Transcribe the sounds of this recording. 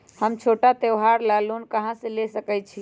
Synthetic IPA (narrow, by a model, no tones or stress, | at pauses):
həmt͡ʃʰoʈat̪ewɦaɾlalonkəɦãsə̃lesəkɛt̚t͡ʃʰi